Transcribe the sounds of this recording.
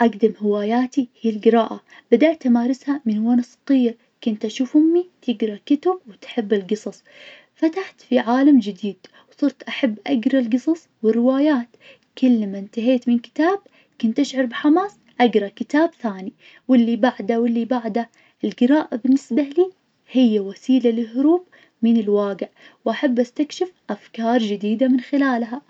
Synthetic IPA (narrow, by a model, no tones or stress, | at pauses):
ʔaɡd̪amhɪwaːjaːt̪ihiːlɡɪɾɑːʔa | b̥ad̪aʔt̪ʔamaːɾˤɪshamɪnwaːnsˤɑ̥qiːɾ | kʊnt̪ʔaʃuːfhʊmːit̪ʰɪɡɾˤɑkʊt̪ab̚wɪt̪ħɪbːɪlɡɨsˤɑsˤ | fat̪aħt̪fiʕaːlamd͡ʒɪd̪iːd̪̥ | wsˤɨɾt̪ʔaħabːʔaɡɾˤɑlɡɨsˤɑsˤwɪrːɪwaːjaːt̪ | kʊlːmaɪnt̪aɦeːt̪mɪnkɪ̥t̪aːb̚ | kʊnt̪ʔaʃʕɑɾˤbɪħamaːsˤ | ʔaɡɾˤɑkɪt̪aːbθaːni | wɪlːibaʕd̪awɪlːibaʕd̪a | ʔɪlɡɪɾɑːʔabɪnːɪsbaliː | hɪjːawasiːlalɪhʊɾuːb | mɪnɪlwaːɡɪʕ | wʔaħabːʔast̪akʃɪfʔafkɑːɾˤd͡ʒɪd̪iːd̪amɪnxɪlaːlɦa